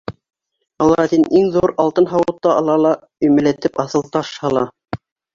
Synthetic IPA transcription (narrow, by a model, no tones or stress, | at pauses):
ɑlˠɑɑt̪inʔiŋðuɾɑlˠt̪ɤnɦɑwɤ̆t̪ːɑɑlˠɑlˠɑ | ɵ̆jmɘ̆læt̪ɘpɑθɤ̆lˠt̪ɑʃhɑlˠɑ